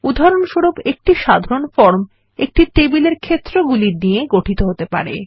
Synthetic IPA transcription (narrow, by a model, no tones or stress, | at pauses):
ud̪ʱaɾonʃoɾobek̚ʈiʃad̪ʱaɾonfɔɾm | ek̚ʈit̪ebileɾkʰet̪ːɾoɡuliɾnijeɡoʈʰit̪oɦot̪epa̰ɾḛ